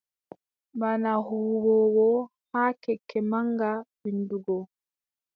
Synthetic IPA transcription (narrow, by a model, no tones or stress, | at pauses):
banahuːwɔwɔ | haːkɛkʰːɛmaŋɡabinduɡɔ